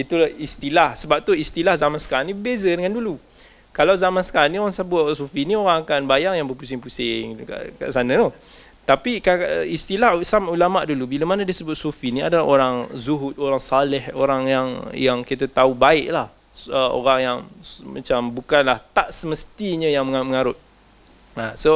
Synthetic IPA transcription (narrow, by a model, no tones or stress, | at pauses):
it̪ulahist̪ilahsəbap̚t̪uist̪ilahzamansə̥kalanĩbəbezədəŋandulu | kalawzamansə̥kalalnioɾaŋsəbʊt̪sufinioɾaŋakanbajaŋjaŋbərpusɪŋpusɪŋka̰ʔka̰ʔsanat̪ut̪apikaist̪ilasamʔulamaʔdulubilamanadisəbʊt̪̚sufinia̰dalaɦoɾaŋzuɦʊt̪̚oɾaŋsalɛho̰ɾaŋjaŋjaŋkit̪at̪aubaɪʔlah | əo̰ɾaŋjaŋma̰t͡ʃambukanlaht̪aʔsəməst̪iɲəjaŋməŋaməŋaɾʊt̪̚ | aso